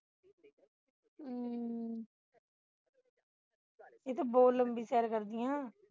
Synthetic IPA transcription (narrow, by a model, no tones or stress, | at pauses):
eːt̪obɔːt̪ləmbiːsɛːɾkəɾd̪ɪjãː